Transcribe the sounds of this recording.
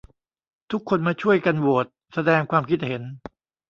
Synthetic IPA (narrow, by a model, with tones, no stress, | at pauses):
t̪ʰu˦˥kʰːo˧nmaː˧t͡ɕʰu˥˩əjka˧nwu˨˩ət̪̚sa˧dɛː˧ŋkʰwaː˧mkʰi˦˥t̪̚he˩˦n